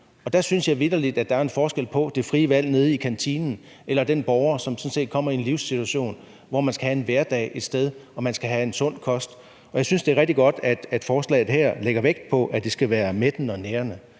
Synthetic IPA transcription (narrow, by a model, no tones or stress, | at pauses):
ɒ̽d̥æsynsjɑ̈ʋiðɐlid̥æd̥ɑ̈æɐe̝nfɒːsɡ̥el̰pʰɒ̽d̥e̝fʁiːəʋæl̰ne̝ð̞ˠikʰænt͡sʰinn̩ | ʔelɐd̥enb̥ɒʊɐsɒ̽msɔ̽n̩se̝̰ːd̥̚kʰɒ̽m̰ɐie̝nliʊsit͡sʰuæɕo̝̰ːn | ʋɒmænsɡ̥æhæe̝nʋeɐd̥ɛ̰ːɪe̝d̥sd̥eð̞ˠɒ̽mænsɡ̥æɦæe̝nsɔ̽n̰kʰɒ̽sd̥ | ɒ̽jɑ̈ɪsynsd̥e̝æɐʁɛɡ̥̚d̥iɡ̥ɒ̽d̥æd̥æd̥fɒːslɛ̰ɪð̩ˠɦæɐ̰leɡ̥ɐʋeɡ̥̚d̥̚pʰɒ̽ʔæd̥e̝sɡ̥æʋæːɐmed̥n̩ɒ̽neːɐnə